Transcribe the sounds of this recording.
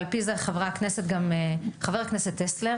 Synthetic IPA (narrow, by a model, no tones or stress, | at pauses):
lpizeχavʁakneset̪ɡameχaveʁakneset̪ːesleʁ